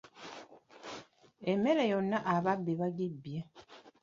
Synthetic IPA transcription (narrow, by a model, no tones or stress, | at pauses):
emːe̞lejo̞nːaʔaβabːiβaɡibːje